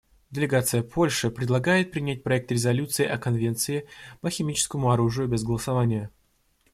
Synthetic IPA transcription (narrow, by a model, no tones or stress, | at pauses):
dʲɪlʲɪɡat̪sɨjəpʰo̞lʲʂɨpɾʲɪd̪lˠɐɡajɪt̪̚pɾʲɪnʲæt̚ʲpɾɐɛk̚t̪ɾʲɪzɐlʲut̪sɨɪʔɐkɐnvʲe̞nt̪sɨɪpəxʲɪmʲit͡ɕɪ̥skəmʊɐɾuʐɨjʊbʲɪzɡəlˠəsɐvanʲɪjə